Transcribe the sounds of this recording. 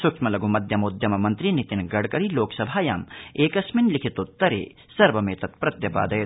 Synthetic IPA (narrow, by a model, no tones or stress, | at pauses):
sʊkʃmɐlɐɡumɐd̪ʱjɐmoːd̪ʱjɐmɐmɐnt̪ɾinit̪inɡɐɽkɐɾiloːksɐbʱaːja̰ːmeːkɐsminlikʰit̪ot̪ːɐɾḛː | sɐɾʋɐmeːt̪ɐt̪pɾɐt̪jɐpa̰ːd̪ɐjt̪